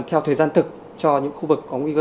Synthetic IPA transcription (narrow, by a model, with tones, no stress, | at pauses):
t̪ʰɛ˧wt̪ʰəː˨˩jzaː˧nt̪ʰɨ˨˩k̚ | t͡ɕɔ˧ɲɨ̰˧˥ŋxu˧vɨ˨˩kːɔ˨˦ŋwi˧kə˧